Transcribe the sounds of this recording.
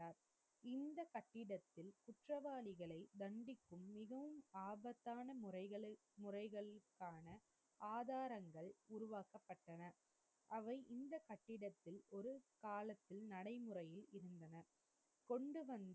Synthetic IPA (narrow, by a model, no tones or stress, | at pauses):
aːɾ | ɪnd̪ɐkɐʈːɪɽɐt̪ːɪlkʊʈrɐʋaːlɪɣɐɭɐɪd̪ɐɳɖɪkːɯmːɪɣɐʋɯmaːbɐt̪ːaːnɐɐɐɭ | mʊrɐɪɣɐɭkːaːnɐ | aːðaːɾɐŋɡɐɭʊɾʊʋaːkɐpːɐʈːɐnɐ | ʔɐʋɐɪʔɪnd̪ɐkɐʈːɪɽɐt̪ːɪlɔɾɯkaːlɐt̪ːɪlnɐɽɐɪmɯrɐjɪlɪɾɯnd̪ɐnɐ | kɔɳɖɯʋɐnd̪